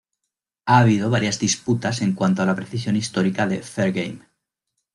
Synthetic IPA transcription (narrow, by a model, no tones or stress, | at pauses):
aːβ̞ið̞o̞β̞aɾjazðisput̪ase̞ŋkwant̪oalapɾeθisjo̞nist̪o̞ɾikaðe̞feɾɣḛjm